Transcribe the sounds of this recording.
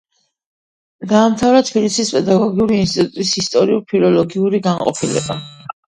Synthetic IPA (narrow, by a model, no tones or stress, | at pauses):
d̪aːmt̪ʰavɾat̪ʰbilisispʼɛd̪aɡɔɡiuɾiːnst̪ʼit̪ʼut̪ʼisist̪ʼɔɾiuɾpʰilɔlɔɡiuɾiɡanqʼɔ̰pʰilɛ̰ba